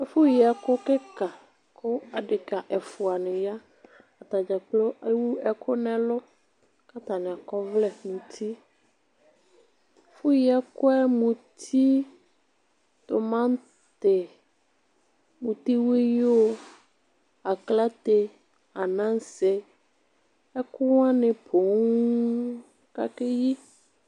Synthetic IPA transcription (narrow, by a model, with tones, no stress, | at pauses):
fu˦ji˨a˨kʊ˦ke˦ka˨ | kʰo˦a˨ɖɪ˨ka˨ʔɛ˨fu˨a˨nɪ̃˨ja˦ | a˨t̪a˨d͡ʒa˨k͡plo˦ʔe˦wu˦ɛ˦kʰo˦nɛ̃˨lʊ˦ | ka˦t̪a˨nɪ̃˨a˨kɔ˦vlɛ˦nũ˨t̪ʰi˦ | fu˦ji˨a˦kʊ˦ɛ˦mũ˨t̪ʰi˦ | t̪o˨mã˦n˦ | t̪e˨ | mũ˨t̪i˦we˦jo˦ | a˨kla˦t̪e˨ | a˨nã˦ŋ˦se˨ | ɛ˦ku˦wã˦nẽ˨pʰo˨ŋuu˦ | ka̰˦ke˦ji˦